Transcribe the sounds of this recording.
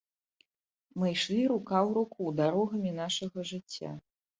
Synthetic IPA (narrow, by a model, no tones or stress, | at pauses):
mɨjʂlʲiɾukawɾukud̪aɾɔɣɐmʲin̪aʂɐɣɐʐɨt͡sʲːa̰